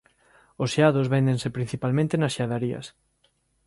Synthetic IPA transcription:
osaðʊzβend̪ẽnsepɾin̟θipalmẽnt̪enɐsʃaðaɾiɐ̰s

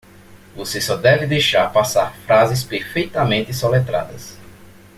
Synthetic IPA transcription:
vosɪsɔd̪ɛvɪd̪ejʃaɾpasaɾfɾazɪs̬peɾfejt̪ɐmẽt̪ɪsolet̪ɾa̰d̪ɐs

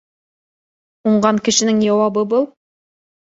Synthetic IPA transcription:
oɴʁɑŋkʲʰɪʃɪnɪŋʒɑwɑbəbolˠ

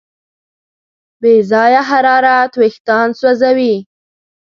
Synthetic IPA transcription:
bezɑjaɦaɾɑɾat̪wɪxt̪ɑnswazawi

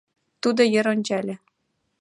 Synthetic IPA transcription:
t̪ud̪ɤ̆jɤ̆ɾŏnʲd͡ʑælʲɘ̆

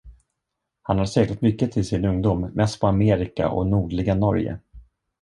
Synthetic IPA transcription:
hanhaɾʂɛːɡlat̪mʏkːət̪ʰɪlsɪnɵŋd̪uːmːɛst̪̚pʰɔameːɾɪka̰ʔɔ̰nuːɖlɪɡanɔɾjə̰

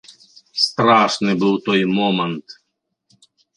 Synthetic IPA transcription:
st̪ɾaʂnɪbɨwt̪ɔjmɔmɛnt̪

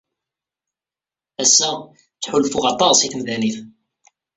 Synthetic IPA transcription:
æsːæ | t͡sːħulfuʁɑt̪ˤːɑsiθmðæniθ

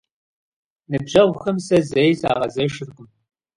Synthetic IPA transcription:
nɨbʑɐwʷxɐmsɐzejsa̰ːʁɐzɐʃɨrqʼʊm

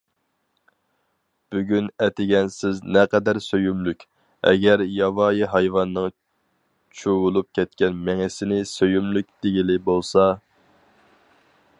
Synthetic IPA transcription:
b̥yɡʲynɛt̪ʰɪɡʲɛnsɪznɛqɛd̪æɾsøjymlykʲ | ɛ̰ɡʲɛɾjɑvɑːjiɦɑjvɑnːɨŋ | t͡ʃʰuwʊlˠup̚kʲʰɛt̪̚kʲɛnmɛŋɪsɪnɪsøjymlyk̚ʲd̪̥ɪɡʲilɪbolˠsɑ

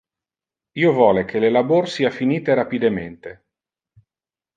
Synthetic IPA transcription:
iːovɔːlekʰelelaborsiːafiniːt̪eɾapid̪ement̪e

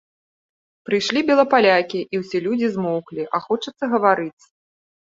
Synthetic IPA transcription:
pɾɨjʂlʲibʲɛlˠɐpalʲakʲiʔiwsʲɛlʲud͡zʲizmɔwklʲiʔaxɔt͡ʂɐt̪sːɐɣɐvaɾɨt̪sʲ

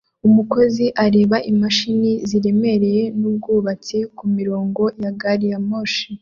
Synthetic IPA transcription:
umuko̞ziʔaɾe̞ːβaʔimaʃiniziɾe̞me̞ɾe̞je̞nub̚ɡuːβat͡sikumiɾo̞ːŋɡo̞jaɡaɾijamoʃi

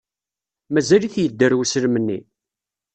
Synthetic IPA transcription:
mæzæliθjəd̪ːəɾwsəlmənːḭ

